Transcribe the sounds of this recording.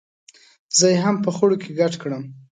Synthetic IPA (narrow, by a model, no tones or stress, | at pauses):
zəjeɦampəxoɽokʰeɡaʈkɽəm